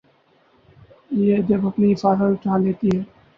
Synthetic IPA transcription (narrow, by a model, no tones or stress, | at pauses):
jed͡ʒɐbɐpniɪfaːsəlʈʰaːleːt̪iɦɛː